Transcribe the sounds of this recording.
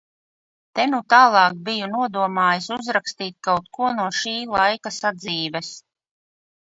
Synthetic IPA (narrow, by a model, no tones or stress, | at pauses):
t̪ɛnut̪aːlˠɑːk̚bijunuɔd̪uɔmaːjasuzɾakst̪iːt̪̚ʲkawt̪̚kuɔnuɔʃiːlˠajkasad̪ziːvɛs